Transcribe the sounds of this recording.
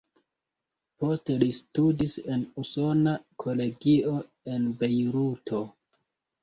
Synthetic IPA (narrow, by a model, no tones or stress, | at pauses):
po̞ste̞listudise̞nuso̞nakʰo̞le̞ɡio̞ | e̞nbe̞jɾutʰo̞